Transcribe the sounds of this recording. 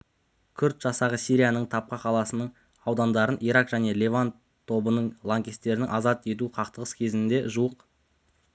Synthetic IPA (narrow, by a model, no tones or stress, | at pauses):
kʲʰʏɾt̪ʒ̥ɑsɑʁəsijɾijanəɴt̪ʰɑp̚qəqʰɑlˠɑsənəɴ | ɑwd̪ɑnd̪ɑɾənʔijɾɑqʒæne̞lʲevan | t̪ʰo̞bənəɴlˠaŋkʲest̪ːe̞ɾɪnɪŋʔɑzɑt̪e̞t̪̬uqʰɑqt̪əʁəskʲʰe̞zɪnɪnd̪e̞ʒuwəq